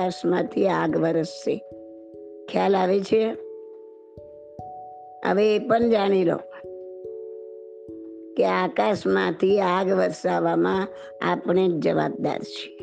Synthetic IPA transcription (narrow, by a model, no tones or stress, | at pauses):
aʃmãt̪ʰiaɡʋəɾəsːḛ | kʰjalaʋet͡ʃʰe | ə̰ʋeːpəɳd͡ʒaɽ̃ilo̰ | keakaʃmãt̪ʰiaɡʋəɾsaʋamã | a̰pɳ̃ed͡ʒəʋa̰b̚d̪a̰ɾt͡ʃʰe̥